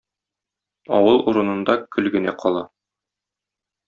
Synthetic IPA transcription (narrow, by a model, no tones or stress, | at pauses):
ɒ̰wɤlˠuɾɤ̆nɤ̆nd̪ɑkɵlɡɘ̆næqʰɒlˠɑ